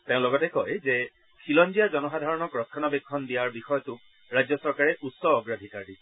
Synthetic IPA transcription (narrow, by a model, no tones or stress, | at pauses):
teʊ̃lɔɡɔtekɔjze | kʰilɔnd͡ʒijad͡ʒɔnɔxad̪ʱaɹɔnɔkɹɔtʰːɔnabekʰːɔndijaɹbixɔjɔtu | ɹad͡ʒjɔsɔɹkaɹɛʔutsɔːɡɹad̪ʱikaɹi